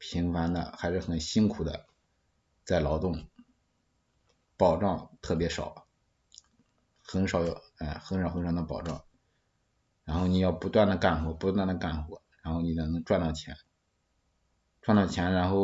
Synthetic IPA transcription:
pʰi˧˥ŋfa˧˥nd̪ə̰˧xa˧˥ɪʂɻ̩˥˩xə˨˩nɕi˥nkʰu˨˩d̪ə̰˦ | t͡sa˥˩ɪlɑ˧˥ʊt̪ʊ˥˩ŋ | pɑ˨˩ʊʈ͡ʂɑ˥˧ŋt̪ʰɤ˥˩pjɛ˧˥ʂɑ˨˩˦ʊ | xə˧˥nʂɑ˨˩ʊjɛ˥˧xə˧˥nʂɑ˨˧˥xɤ˧˥nʂɑ˨˩ʊd̪ə˦pɑ̰˨˩ʊʈ͡ʂɑ̰˥˩ŋ | ɻa˧˥nxo˥˩ʊni˨˩jɑ˥˩ʊpu˧˥t̪wa˥˩nd̪ə˩ka˥˩nxwɔ˧˥pu˧˥t̪wa˥˩nd̪ə˩ka˥˩nxwɔ̰˧˥ɻa˧˥nxo˥˩ʊni˨˩nɤ˧˥n˧˥ŋʈ͡ʂwa˥˧nt̪ɑ˥˩ʊt͡ɕʰjɛ̰˧˥n | ʈ͡ʂwnt̪ɑ˥˩ʊt͡ɕʰjɛ˧˥nɻa˧˥nxo˥˩ʊ

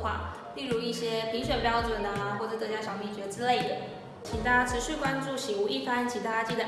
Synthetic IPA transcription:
xwa̰˥˩ | li˥˩ŋɻu˧˥i˥˩ɕjɛ˥pʰi˧˥ŋɕɥɛ˨˩npjɑ˥ʊʈ͡ʂwə˨˩nə˩xwɔ˥˩ʈ͡ʂɤ˨˧˩t̪ɤ˧˥˩t͡ɕja˥˩ʂɑ˥˩ŋmjɛ˥˩t͡ɕɥɛ˧˥˧t͡sɹ̩˥le˥˩ɪdə˨˩ | t͡ɕʰi˧˥t̪ʰa˥ʈ͡ʂʰɻ̩˧˥ʂy˥˩kwa˥nʈ͡ʂu˥˩ɕi˨˩u˧˥ʔi˥˩fa˥nt͡ɕʰi˧˥t̪ʰa˥t͡ɕi˥˩d̪ə˨˩

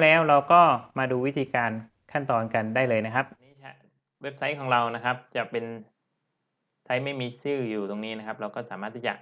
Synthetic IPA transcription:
lɛː˦˥wɾa˧wkɔː˥˩maː˧duː˧wi˦˥t̪ʰiː˧kaː˧n | kʰa˥˩nt̪ɔː˧nka˧ndaː˥˩jlɤː˧jna˦˥kʰa˦˥p̚ʔniː˦˥t͡ɕʰa˦˥˩ | we˦˥p̚sa˦˥jkʰɔː˩˦ŋɾa˧wna˦˥kʰa˦˥p̚t͡ɕa˨˩pe˧n | sa˦˥jma˥˩jmiː˧sɯː˥˩juː˨˩t̪o˧ŋniː˦˥na˦˥kʰa˦˥p̚ɾa˧wkɔː˥˩saː˩˦maː˥˩t̪ʰːi˦˥˩t͡ɕa̰˨˩

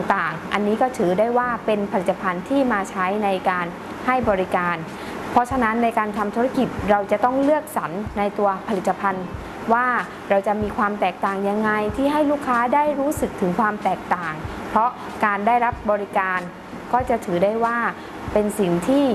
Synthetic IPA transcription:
ŋt̪aː˨˩ŋʔa˧nːiː˦˥kɔː˥˩t̪ʰɯː˩˦daː˥˩jwaː˥˩pe˧npʰa˧li˨˩t̪ːa˧pʰa˧nt̪ʰiː˥˩maː˧t͡ɕʰa˦˥jna˧jkaː˧n | ha˥˩jbɔː˧ɾi˦˥kaː˧n | pʰɾɔ˦˥t͡ɕʰa˧na˦˥nːa˧jkaː˧nt̪ʰa˧mt̪ʰu˧˦˥ɾa˧ki˨˩t̪̚ɾa˧wt͡ɕa˨˩t̪ɔ˥˩ŋlɯ˥˩ək̚sa˩˦nːa˧jt̪u˧ɐpʰa˧li˨˩t̪ːa˧pʰa˧n | waː˥˩ | ɾa˧wt͡ɕa˨˩ʔmiː˧kʰwaː˧mt̪ɛː˨˩k̚t̪aː˨˩ŋja˧ŋːa˧jt̪ʰiː˥˩ɦa˥˩jluː˥˩kʰːaː˦˥daː˥˩jɾuː˦˥sɯ˨˩k̚t̪ʰɯ˩˦ŋkʰwaː˧mt̪ɛː˨˩k̚t̪aː˨˩ŋ | pʰɾɔ˦˥ | kaː˧ndaː˥˩jɾa˦˥p̚bɔː˧ɾi˦˥kaː˧n | kɔː˥˩t͡ɕa˨˩t̪ʰɯː˩˦daː˥˩jwaː˥˩ | pe˧nsi˨˩ŋt̪ʰiː˥˩

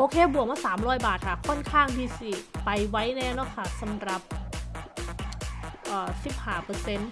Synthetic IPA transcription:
ʔoː˧kʰeː˧bu˨˩ək̚maː˥˩saː˩˦mɾɔː˦˥jbaː˨˩t̪̚kʰa˥˩kʰɔ˥˩nkʰaː˥˩ŋdiː˧si˨˩pa˧jwa˦˥jnɛː˦˥˩nɔ˦˥˩kʰa˥˩sa˨˦mɾa˨˩p̚ | ʔɤː˨˩si˨˩p̚haː˧˩pɤː˧se˧˥n

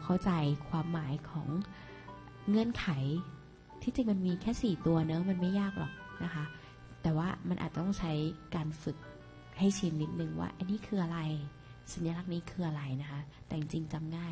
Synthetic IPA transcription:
kʰa˥˩wt͡ɕa˧jkʰwaː˧mːaː˩˦jkʰɔː˩˦ŋ | ɤ˧˥˨nkʰa˩˦j | t̪ʰiː˥˩t͡ɕi˧ŋma˧nmiː˧kʰɛː˥˩siː˨˩t̪u˧ɐnɤ˦˥ma˧nma˥˩jaː˥˩k̚lʔɔ̰ː˨˩k̚na˦˥kʰa˦˥ | t̪ɛː˨˩waː˥˩ma˧nʔa̰ː˨˩t̪̚t̪ɔ˥˩ŋt͡ɕʰa˦˥jkaː˧nfɯ˨˩k̚ | ha˥˩jt͡ɕʰi˨˦nːi˦˩t̪̚nɯ˧ŋwa̰ː˥˩ʔa˧niː˦˥kʰɯː˧ʔa˧ɾa˧j | sa˨˩˦njaː˧la˦˥˩k̚niː˦˥kʰɯː˧ʔa˧ɾa˧jna˦˥kʰa˦˥t̪ɛː˨˩ŋt͡ɕi˧ŋt͡ɕa˧mŋaː˥˩j

